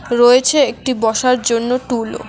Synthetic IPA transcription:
ɾoet͡ɕʰeek̚ʈibɔʃaɾd͡ʑonːoʈulo̰

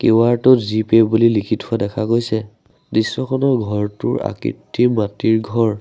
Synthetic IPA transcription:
kewaɹtɔtzipebulilikʰitʰuadɛkʰakojsɛ | disːɔkʰɔnɔɡʱɔɹtʊɹa̰kḭtʰːimatiɹɡʱɔɹ

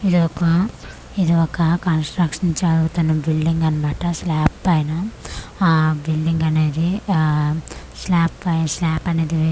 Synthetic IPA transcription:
id̪iɔkɐ | id̪iɔkɐkɐnsʈɾɐkʂɐnt͡ʃɐɽut̪unːɐbilɖiŋɡɐnɐmaːʈɐslaːpːɐjinɐ | bilɖiŋɡɐne̞ːd̪i | slaːpːɐjslaːpɐne̞ːd̪i

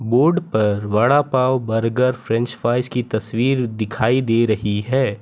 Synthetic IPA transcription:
boːɾɖpɐɾʋɐɽapaːwbɐɾɡəɾfʰɾɛ̃nt͡ʃfaːɪskit̪ɐswiːɾd̪ɪkʰaːid̪eːɾɐɦiɦɛː

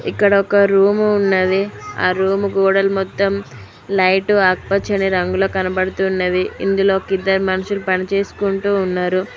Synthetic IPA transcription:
ḭkːɐɽɐɔkɐɾuːmuːnːɐd̪ia̰ːɾuːmuɡoːɽɐlmɔt̪ːɐm | lɐjʈuaːk̚pɐt͡ʃːɐniɾɐŋɡuloːkɐnɐpɐɽut̪uːnːɐd̪iḭnd̪ulo̞ːkid̪ːɐɾmɐnuʃulupɐnit͡ʃe̞ːsu̥kuɳʈuːnːaːɾu

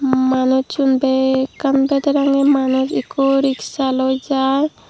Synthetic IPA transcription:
manut͡ʃunbekanbed̪eɾaŋemanusikoɾiksalojd͡ʒaj

